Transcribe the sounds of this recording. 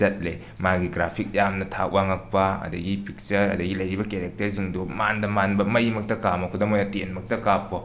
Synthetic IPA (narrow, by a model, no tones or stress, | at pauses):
ɐt̚le | maɡiɡɾapʰik̚jamnɐtʰa̰k̚waŋɐk̚pɐɐ̰dɐɡipʰik̚t͡ʃɐɾɐ̰dɐɡilɐjɾibɐkeɾek̚tɐɾziŋdumandɐmanbɐmɐjmɐk̚tɐkamɐkʰudomojatenmɐk̚tɐkapːo